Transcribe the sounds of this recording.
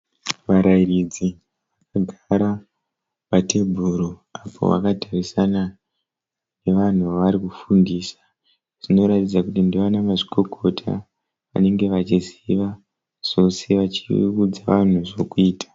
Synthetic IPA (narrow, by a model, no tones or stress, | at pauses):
ʋaɾairid͡zi | ʋakaɡʱaɾa | pate̞bʱuɾoapʰo̞̰ʋa̰katʰarisana | ne̞ʋan̤uʋaʋaɾikufundiːsḁ | ʐ̥ino̞ɾatid͡zakutindiʋanamaʐiko̞ko̞tʰa̰ | ʋa̰ne̞ŋɡe̞ʋat͡ʃiziʋa | ʐ̥o̞se̞ʋat͡ʃiud͡zaʋan̤uʐo̞kuiːtḁ